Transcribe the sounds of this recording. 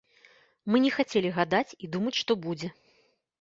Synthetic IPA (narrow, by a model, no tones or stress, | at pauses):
mɨnʲɛxat͡sʲelʲiɣad̪at͡sʲid̪umɐt͡sʲʂt̪ɔbud͡zʲɛ